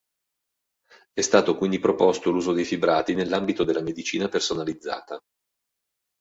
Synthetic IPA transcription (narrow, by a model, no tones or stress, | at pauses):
ɛst̪aːt̪okwind̪ipɾopost̪oluːzod̪ejfibɾaːt̪inelːambit̪od̪elːamed̪it͡ʃiːnapersonalid̪zːa̰ːt̪a